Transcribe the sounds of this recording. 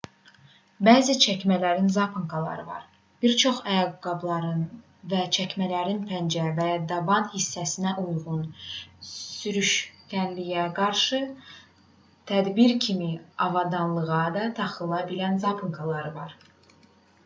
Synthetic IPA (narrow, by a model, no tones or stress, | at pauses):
bæːzit͡ʃʰæcmælæɾinzɑpʰɯŋkʰɑlˠɑ̰ɾɯvɑ̰ɾ | b̥iɾt͡ʃʰo̞χæjɑɡɡɑblˠɑɾɯn | væt͡ʃʰæcmælæɾinpʰænd͡ʒævæjɑd̪ɑbɑnhisːæsinæʔujʁun | syɾyʃcʲænlijæɡɑɾʃɯ | t̪ʰæd̪biɾcʰimiɑvɑd̪ɑnlˠɯʁɑd̪ɑt̪ʰɑχɯlˠɑbilænzɑpʰɯŋkʰɑlˠɑɾɯvɑɾ